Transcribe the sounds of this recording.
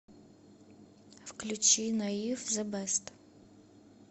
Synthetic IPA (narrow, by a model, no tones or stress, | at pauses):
wklʲut͡ʃinɐjifzɐbɛst̪